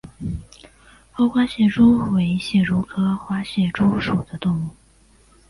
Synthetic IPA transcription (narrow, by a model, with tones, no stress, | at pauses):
xo˥ʊxwa˥ɕjɛ˥˩ʈ͡ʂu˥we˧˥ɪi˧˥ɕjɛ˥˩ɻu˧˥kʰɤ˥xwa˥ɕjɛ˥˩ʈ͡ʂu˥ʂu˨˩d̪ə˦t̪ʊ˥˧ŋu˥˩